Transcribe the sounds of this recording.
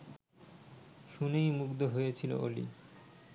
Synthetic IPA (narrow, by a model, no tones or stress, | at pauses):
ʃunejmukd̪oɦojet͡ɕʰilo̰ʔolḭ